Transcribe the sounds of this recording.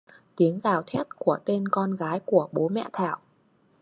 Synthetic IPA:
t̪i˨˦əŋzaː˨˩wt̪ʰɛ˦˥t̚ku˧˩ət̪e˧nkɔ˧nɣaː˨˦jku˧˩əɓo˨˦mɛ̰˧˨t̪ʰaː˧˩w

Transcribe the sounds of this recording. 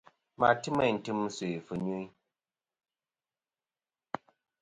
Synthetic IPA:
ma˨tɨ˦mə˦˨n̩˨tɨ˦m˦se˨fɨ˨ɲu˦

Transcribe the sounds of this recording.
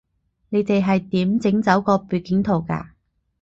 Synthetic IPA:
ne˨˧jt̪e˨jɦɐ˨jt̪iː˨˥mt͡sɪ˨˥ŋt͡sɐ˨˥wkɔː˧pyː˨˩kɪ˨˥ŋt̪ʰo˨wka̰ː˧

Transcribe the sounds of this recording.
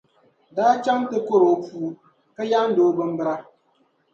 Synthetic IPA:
daː˦t͡ʃa˦ŋtɨ˦ko˦ɾo˨puː˨ | ka˦ja˦n̩˦doː˦bɨ˦m̩˦bɨ˦ɾa˦

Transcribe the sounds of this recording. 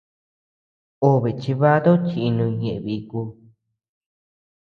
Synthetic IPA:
o˧˦βe˨t͡ʃi˧βa˦d̪o˦t͡ʃi˧nũ˧ɲẽ˨ʔẽ˧βi˧ku˧

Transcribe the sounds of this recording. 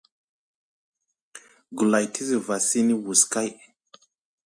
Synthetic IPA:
ɡu˨la˨jtʰi˦zi˨va˨si˦ni˦wu˨ska˦j

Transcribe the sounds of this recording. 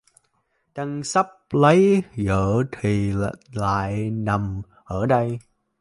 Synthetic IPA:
t͡ɕa˧ŋsa˦˥p̚lə˨˦jɣəː˧˩t̪ʰi˨˩˧la̰ː˧˨jna˨˩m | ʔəː˧˩ɗə˧j

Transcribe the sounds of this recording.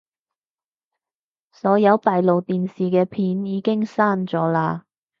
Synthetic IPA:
sɔː˨˧˥jɐ˨˧wt̪aː˨jlo˨wt̪iː˨nsiː˨˩kɛː˧pʰiː˨˥njiː˨˧kɪ˥ŋsaː˥˩nt͡sɔː˨˥laː˧

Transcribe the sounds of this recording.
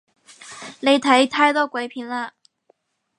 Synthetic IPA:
le˧˥ɪt̪ʰa˧˥ɪi˨˩t̪ʰa˥˧ɪt̪ɔ˥kwe˧˥ɪpʰi˧˥nlə˧˩

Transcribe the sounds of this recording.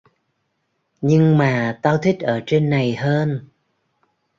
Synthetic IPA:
ɲɨ˧ŋmaː˨˩t̪aː˧wt̪ʰi˦˥k̟̚ʔəː˧˩t͡ɕe˧nːa˨˩jɦəː˧n

